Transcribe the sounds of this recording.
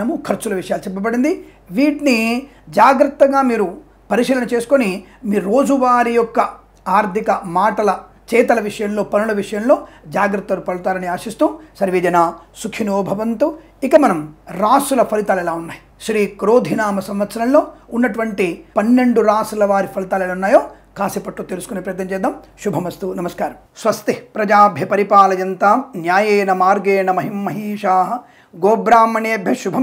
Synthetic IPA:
ɐmukʰɐɾt͡ʃulɐʋiʂɐjaːlut͡ʃɛp̬ːɐbɐɽind̪i | ʋiːʈni | d͡ʒaːɡɾɐt̪ːɐŋɡaːmiːɾu | pɐɾiʂiːlɐnɐt͡ʃe̞ːsu̥konimiːɾuɾoːd͡ʒuʋaːɾijɔkːɐ | aːɾd̪ʱikɐmaːʈɐlɐ | t͡ʃɛːt̪ɐlɐʋiʂɐjɐmlo̞ːpɐnulɐʋiʂɐjɐmlo̞ːd͡ʒaːɡɾɐt̪ːɐlupɐɽut̪aːɾɐniaːʂist̪uːsɐɾʋiːd͡ʒɐnaːsukʰinoːbʱɐʋɐnt̪u | ikɐmɐnɐmɾaːsulɐpʰɐlit̪aːlɛlaːunːaːji | ʃɾiːkɾoːd̪ʱinaːmɐsɐmʋɐt̪ːʃɐnɐlːoːunːɐʈuʋɐɳʈipɐnːeɳɖuɾaːsulɐʋaːɾipʰɐlit̪aːlɛlaːunːaːjoː | kaːsipɐʈːlot̪elusu̥konepɾɐjɐt̪nɐɲt͡ʃeːd̪aːmʃubʱɐmɐst̪unɐmɐskaːɾɐm | sʋɐst̪ipɾɐd͡ʒaːbʱjɐpɐɾipaːlɐjɐnt̪anjaːjeːnɐmaːɾɡeːɳɐmɐɦimːɐɦiːʃaːɦɐ | ɡoːbɾaːmɐneːbʱjɐʃubʱɐm

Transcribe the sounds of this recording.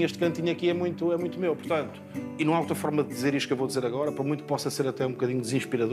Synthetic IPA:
eʃt̪kɐ̃nt̪iɲuɐkiɛmũj̃t̪uɛmũj̃t̪umewpuɾt̪ɐ̃nt̪uinɐ̃aout̪ɾɐfɔɾmɐðɨðizeɾiʃt̪kewvowd̪izeɾɐɣɔɾɐpɾɐmũj̃t̪u̥pɔsɐseɾɐt̪ɛũbukɐðiɲud̪ɨzĩʃpiɾɐðo

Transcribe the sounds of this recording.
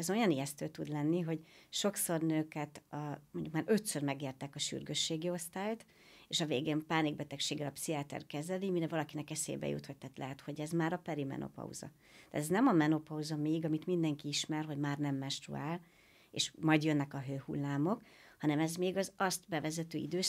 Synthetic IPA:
ɛzo̞jɒnijɛst̪øːt̪ud̪lɛnːiɦo̞ɟʃo̞kso̞rnøːkɛt̪mo̞ɲɟukmaːɾø̞t̪sørmɛɡeːrt̪ɛkɒʃy̰rɡøʃːeːɡio̞st̪aːjt̪ | eːʃɒveːɡeːmpaːniɡ̚bɛt̪ɛkʃeːɡːɛlɒpsiaːt̪ɛ̰rkɛzɛlimiɾɛvɒlɒkinɛkɛsḛːbɛ̰jṵt̪hot̚t̪aːt̪lʔɛɦɛt̪ho̞ɟɛzmaːɾɒpɛɾimɛ̰nʔo̰pɒ̰ṵzɒ̰ | t̪a̰ːt̪ɛznɛmɒmɛno̞pɒuzɒmeːɡɒmit̪mind̪ɛŋkiiʃmɛrɦoɟmaːrnɛmːɛnʃt̪rṵaːl | ḛːʃmɒjd̪jønːɛkɒɦøːhṵlːaːmo̞k | hɒnɛmɛzmeːɡɒzɒst̪bɛvɛzɛt̪øːḭd̪øːʃ

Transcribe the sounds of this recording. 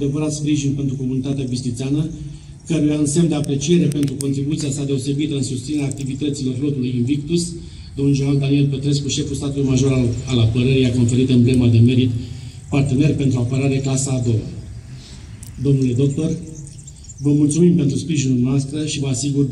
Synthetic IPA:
d̪e̞vəɾat̪spɾiʒinpe̞nt̪ɾuko̞munit̪at̪eabisnit̪seanə | kəɾujaɨnsemd̪e̞apɾe̞t͡ʃie̞ɾe̞pe̞nt̪ɾuko̞nt̪ɾibut̪siasad̪e̞o̞se̞bit̪əɨnsust̪sineaːk̚t̪ivit̪ət̪silo̞rlo̞t̪ulujɨnvikt̪us | d̪omnud͡ʒoɾald̪anie̞lpe̞t̪ɾe̞s̬kuʃe̞fulst̪at̪ulujmaʒo̞ɾaalapəɾəɾeijako̞nfe̞ɾit̪ɨnble̞mad̪e̞me̞ɾit̪part̪e̞ne̞rpe̞nt̪ɾuapəɾaɾe̞klasaːd̪o̞wa̰ | d̪o̞mnule̞d̪o̞k̚t̪o̞r | vəmult̪sumimpe̞nt̪ɾuspɾiʒinunoast̪ɾəʃivəasiɡur

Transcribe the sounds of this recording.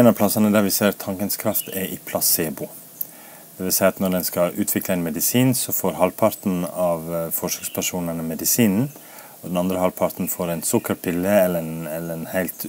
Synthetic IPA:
nɑpʰlɑsɑnəd̪æɾʋɪseːɾt̪ʰɑŋkənskʰɾɑft̪ʰɛɾʔɪpʰlɑseːbuː | d̪̥ɛʋɪlsæɪɑt̪nɔɖ̪ɛnskɑʔʉːt̪ʰʋɪkləɛnmɛd̪ɪsiːnsɔfoːɾɦɑlpʰɑɾt̪n̩ɑʋfɔʂøkspʰæʂuːnənəmɛd̪ɪsiːnn̩ | ɔd̪ɛnɑnd̪ɾəhɑlpʰɑɾt̪n̩foːɾɛɪnsʊkːəɾpʰɪlːəɛlːəɛnɛlːəɾɛnhæɪlt̪

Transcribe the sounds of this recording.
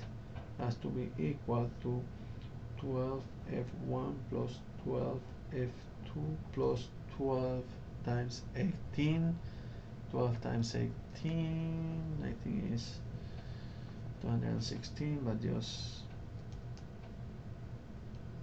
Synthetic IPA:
hastubiʔikwəltʰu | tʰwɛlv | ɛfwãnpʰlɔs | tʰwɛlv | ɛf | tʰuplɔs | tʰwɛlv̥ | tʰãɪ̃mseɪtʰĩn | tʰwɛlv̥tʰã̰ɪ̃msḛɪtʰĩna̰ɪθʰĩŋɪ̰s | tuhãndə̰dã̰nsɪkstʰĩnbat̚d͡ʒʌ̰s

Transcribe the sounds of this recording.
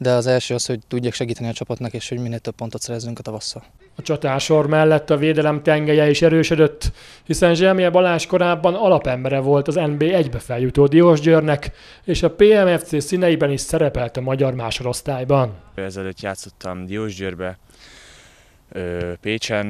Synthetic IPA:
d̪ɛɒzɛlʃøːɒsho̞ɟ̚t̪uɟːaːkʃɛɡiːt̪ɛniɒt͡ʃɒpɒt̪nɒkeːʃho̞ɟminːeːlt̪øppo̞nt̪ot̪sɛɾɛzːyŋkɒt̪ɒvɒshɒ | ɒt͡ʃɒt̪aːʃo̞rmɛlːɛt̪ːɒveːd̪ɛlɛmt̪ɛŋɡɛjɛiʃɛɾøːʃød̪ø̞t̪ː | hisɛnʒɛmiɛbɒlaːʃko̞ɾaːbːɒnɒlɒpɛmbɛɾɛvo̞lt̪ɒzɛnbeːɛɟbɛfɛljut̪oːd̪ioːʒɟøːrnɛk | eːʃɒpeːɛmɛft̪seːsinɛjibɛniʃsɛɾɛpɛlt̪ɒmɒɟɒrmaːʃoɾo̞st̪aːjbɒnɛzɛløːt̪jaːt̪so̞t̪ʰːɒmd̪ijoːʒɟøːrbɛ | øːpeːt͡ʃɛn

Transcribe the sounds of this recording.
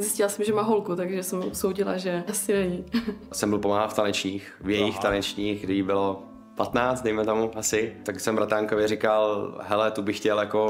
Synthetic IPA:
zɪscɪlasɛmʒɛmaːɦolkut̪aɡʒɛsɛmopsowɟɪla̰ʒɛasɪnɛɲɪsɛmbɪlpomaɦaft̪anɛt͡ʃɲiːxvjɛjɪxt̪anɛt͡ʃɲiːxɡdɪjbɪlo | pat̪naːt͡st̪dɛjmɛt̪omuasɪt̪aksɛmbɾat̪aːŋkovjɛɾɪkalɦɛlɛt̪ubɪxcɛljako

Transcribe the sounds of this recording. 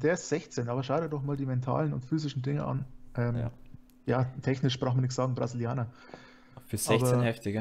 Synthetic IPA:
d̥eːɐɪstz̥ɛçt͡seːnʔaːbɐʃaʊɾədɔχmaːldiːmɛntʰa̰ːlənʊ̰ntfyːzɪʃn̩dɪŋəʔa̰nʔɛm | jaːtʰɛçnɪʃb̥ʁaʊxmɐnɪç̬tz̥aːɡŋ̩bʁa̰zɪljaːnɐ | fyzɛbɐenhɛftɪɡə

